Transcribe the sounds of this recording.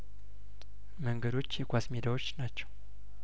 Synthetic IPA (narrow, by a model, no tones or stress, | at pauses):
məŋɡəd̪o̞t͡ʃːjɛɡʷasmed̪awot͡ʃːnat͡ʃːɛw